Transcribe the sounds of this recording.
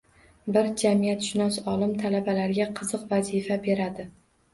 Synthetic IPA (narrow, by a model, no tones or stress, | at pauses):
bɪɾd͡ʒamijat̪ʃɪnɒsɒlˠɪmt̪ʰalabalaɾɡʲaqʰɨzɨqvazifabe̞ɾad̪ɪ